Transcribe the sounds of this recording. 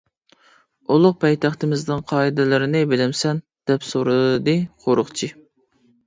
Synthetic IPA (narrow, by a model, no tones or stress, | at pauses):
ulˠʊq̚pʰɛjt̪ʰæχt̪ɪmɪzd̪ɨnqʰɑːid̪ɪlɪɾɪnɪbɪlɪmsɛn | d̪̥ɛpsoɾɨd̪ɨqʰoɾʊχt͡ʃʰi